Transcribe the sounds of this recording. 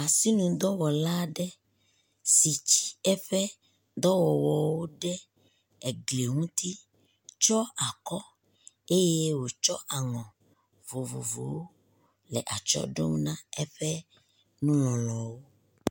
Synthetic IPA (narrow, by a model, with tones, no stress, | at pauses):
a˨si˦nũ˨d̪ɔ˦wɔ˨la˦ɖɛ˦ | si˨t͡ʃi̥˦ɛ˦ɸɛ˦ | d̪ɔ˦wɔ˨wɔ˨wo˦ɖɛ˦ | ɛ˨ɡle˨ŋũ˦t̪i˦ | t͡ʃɔ˦a˨kɔ˦ | e˦je˦wo˨t͡ʃɔ̰˦ʔa˨ŋɔ̃˨ | vo˨vo̰˨vo̰˨wo˦ | lɛ̰˨ʔa˨t͡ʃɔ̰˦ɖo̰˦ŋ˦nã˦ɛ˦ɸɛ˦ | nũ˦lɔ̃˨lɔ˨wo˦